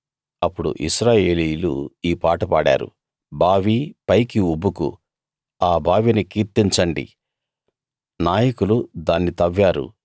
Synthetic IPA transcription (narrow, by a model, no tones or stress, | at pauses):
ɐpːuɽṵʔiʃɾaːje̞ːliːjlṵiːpaːʈɐpaːɽa̰ːɾṵ | bʱaːʋipɐjkiubːukṵ | aːbʱaːʋinikiːɾt̪iɲt͡ʃɐɳɖḭ | naːjɐkulud̪aːnːit̪ɐʋːaːɾṵ